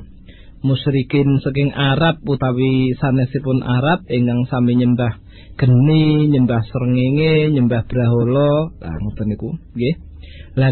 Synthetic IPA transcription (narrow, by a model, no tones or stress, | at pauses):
musɾikɪnsəkɪŋaɾap̚ːut̪awisanɛsipʊnʔa̰ɾap̚iŋkaŋsamiɲəmbah | ɡ̥ə̤niɲəmbahsəɾəŋeŋeɲəmbahb̥ɾaɦolɔla̰ŋət̪ənikuɡe | la